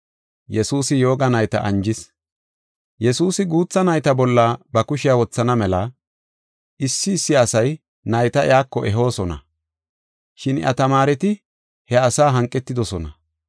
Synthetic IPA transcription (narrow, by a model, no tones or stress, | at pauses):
jɛsuːsɪjo̞ːɡɐnɐjt̪ɐ̰ʔɐnd͡ʒɪs | jɛsuːsɪɡuːt͡sːɐnɐjt̪ɐbɔlːɐbɐkʊʃɪjɐwɔt͡sːɐnɐmɛlɐ | ɪsːɪːsːɪɐsɐj | nɐjt̪ɐɪ̰jaːkːɔʔɛɦo̞ːsɔnɐ̰ | ʃɪnʔɐ̰t̪ɐmaːɾɛt̪ɪ | hɛɐsaːɦɐŋkʼːɛt̪ːɪd̪ɔsɔnɐ